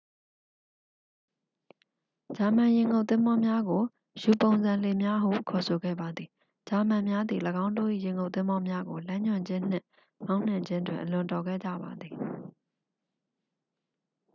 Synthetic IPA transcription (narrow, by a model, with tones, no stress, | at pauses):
d͡ʑa˨mã˨jɪ̃˨ŋɡo˦t̪ɪ̃˦mbɔ˦mja˦ɡo˨ | ju˨põ˨ʊ̃nzã˨le˨mja˦ʔəhṵ˦˨kʰɔ˨sʰo˨ɡɛ̰˦˨ba˨d̪ði˨ | d͡ʑa˨mã˨mja˦d̪ði˨ləɡã˦ʊ̃ndo̰˦˨ʔḭ˦˨jɪ̃˨ŋɡo˦˨ʔt̪ɪ̃˦mɔ˦mja˦ɡo˨lã˦ɲʊ̃˨ɲd͡ʑɪ̃˦n̥ɪ̰̃˦ʔ | mã˦ʊ̃n̥ã˨ɲd͡ʑɪ̃˦ndwɪ̃˨ʔəlʊ̃˨ntɔ˨ɡɛ̰˦˨d͡ʑa̰˦˨ba˨d̪ði˨